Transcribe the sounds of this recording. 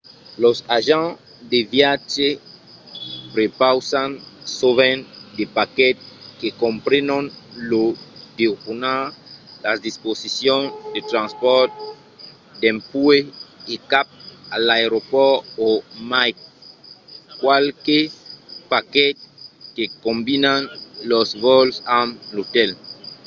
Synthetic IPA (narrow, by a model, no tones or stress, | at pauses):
losaʒã | d̪evjat͡ʃe | pɾepawsansovẽnd̪epakɛt̪̚kekõmpɾenonlod̪ekunalasd̪isposisjõnd̪et̪ɾãnspɔɾt̪̚ | d̪ẽmpueekap̚alaeɾopɔomajk | kwalkepakɛt̪̚kekombinanlosvɔlsamlot̪ɛl